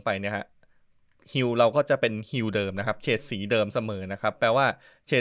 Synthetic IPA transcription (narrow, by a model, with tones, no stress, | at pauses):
ŋpa˧jni˥˩ɐkʰa˦˥ | hi˧wɾa˧wkɔː˥˩t͡ɕa˨˩ʔpe˧nhi˧wdɤː˧mna˦˥kʰa˦˥p̚t͡ɕʰeː˨˩t̪̚siː˩˦dɤː˧msa˧mɤː˩˦na˦˥kʰa˦˥pːɾɛː˧waː˥˩ | t͡ɕʰeː˨˩